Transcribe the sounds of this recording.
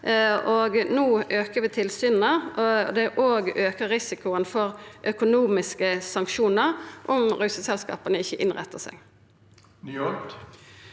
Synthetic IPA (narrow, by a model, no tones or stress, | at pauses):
oɡnuːøːkəʋɪt̪ʰɪlsyːnn̩əd̪ɛʔoːɡøːkəʁʁɪsɪkʊənfɔʁʔœkʊnuːmɪskəsɑŋkʃuːnəɾʔʊmʁʉsəsɛlskɑ̰ːpənəɪçːəʔɪnʁɛ̰t̪ʰːəsɛ̰ɡ | n